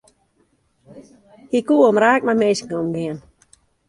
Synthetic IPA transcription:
hikuːomɾaːk̚mameskŋomɡɪən

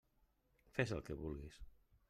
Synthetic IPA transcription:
fezəlˠkeβulɣis

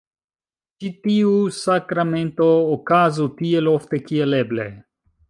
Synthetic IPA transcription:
t͡ʃit̪iusakɾamẽnt̪oːkaːzut̪iɛloft̪ɛkijɛlɛblɛ

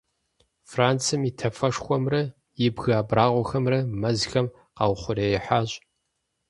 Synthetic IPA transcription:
fraːnt͡sʰɨmitʰɐfɐʂxʷɔmrɐ | jɪbɣaːbraːʁʷɔxɐmrɐmɐzxɐm | qɑ̰wχʷʊreːjɛħaːɕʼ

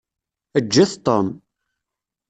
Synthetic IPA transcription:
əd͡ʒːæθt̪ˤːom

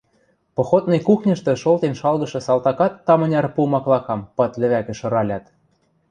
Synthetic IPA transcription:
pŏxot̪̚nɤ̆jkuxnʲə̆ʃt̪ɤ̆ʃolt̪enʃɑlɣɤ̆ʃɤ̆sɑlt̪ɑkɑt̪ːɑmɤ̆nʲɑrpumɑklˠɑkɑmpɑt̪lʲɘ̆βækɘ̆ʃɤ̆ɾɑlʲɑt̪

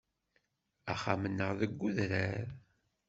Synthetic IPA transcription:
æχa̰mənːəʁðəɡʷːuðɾæɾ

